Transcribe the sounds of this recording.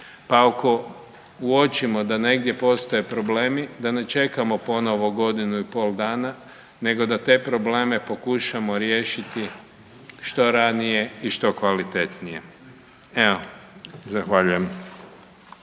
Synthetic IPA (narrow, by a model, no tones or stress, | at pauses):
paako̞ | uot͡ʃimo̞d̪ane̞ɡd̪je̞po̞st̪o̞je̞pɾo̞ble̞ːmid̪ane̞t͡ʃe̞kamo̞po̞no̞ʋo̞ɡo̞d̪inuipo̞ld̪aːna | ne̞ɡo̞d̪at̪e̞ːpɾo̞ble̞ːme̞po̞kuʃamo̞ɾje̞ːʃit̪i | ʃt̪o̞ɾanije̞iʃt̪o̞kʋalit̪e̞t̪nije̞ | eozaxʋaʎujem